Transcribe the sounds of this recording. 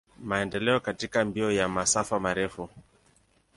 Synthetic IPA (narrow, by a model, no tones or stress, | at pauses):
maɛndɛlɛɔkatikambiɔjamasafamaɾɛfu